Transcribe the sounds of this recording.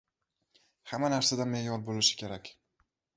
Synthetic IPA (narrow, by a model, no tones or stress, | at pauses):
hamanaɾsad̪anmejɒɾbolɪʃɪ̥kʲʰe̞ɾakʲ